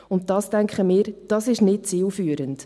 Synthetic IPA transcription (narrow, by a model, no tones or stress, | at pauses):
ʊnt̚dɑːstæŋkχəmɪːɾd̥ɑsɪʃnɪt̚t͡siːlfyːɾənt